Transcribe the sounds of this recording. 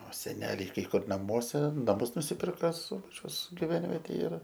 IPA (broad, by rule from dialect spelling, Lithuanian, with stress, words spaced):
oː sʲɛˈnʲæːlʲɛɪ kɐɪ ˈkʊr nɐˈmuɔsʲɛ nɐˈmʊs nʊsʲɪˈpʲɪrkɐ ˈsʊbɐt͡ʃʲɛʊs ɡʲɪˈʋʲɛnʲʋʲɛtʲeːj ɪr